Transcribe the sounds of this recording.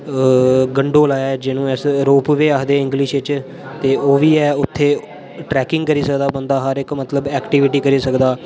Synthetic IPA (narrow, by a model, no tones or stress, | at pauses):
ɡəɳɖoːlaːjaːd͡ʒɪnũːɪsɾoːpʋeːaːɦd̪eːɪ̃ŋɡlɪʃɪt͡ʃ | t̪eːoːʋiːɛːʊt̪ʰːeː | ʈɾɛːkɪŋɡkəɾiːsəkd̪aːbənd̪aːɦəɾɪkmət̪ləbɛːkʈiːʋɪʈiːkəɾiːsəkd̪aː